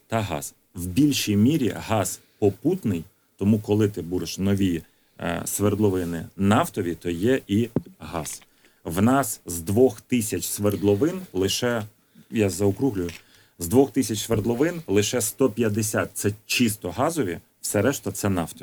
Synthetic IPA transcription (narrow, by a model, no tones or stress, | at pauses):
t̪ɐɦɑ̰s | wbʲilʲʃijmʲiɾʲḭɦɑs | pɔput̪nɪj | t̪ɔmukɔlˠɪt̪ɪbuɾeʃnɔʋʲḭ | sʋerd̪lˠɔʋɪnɪ̰nɑft̪ɔʋʲit̪ɔjɛʔiɦɑs | ʋnɑszd̪ʋɔxt̪ɪsʲɐt͡ʃʲsʋerd̪lˠɔʋɪnlˠɪʃɛ | jɑzɐʊkɾuɦlʲʊjʊ | zd̪ʋɔxt̪ɪsʲɐt͡ʃsʋerd̪lˠɔʋɪnlˠɪʃɛst̪ɔpʲjɐd̪esʲat̪̚t̪sɛt͡ʃist̪ɔɦɑzɔʋʲḭ | wsɛɾɛʃt̪ɐt̪sɛnɑft̪ɔ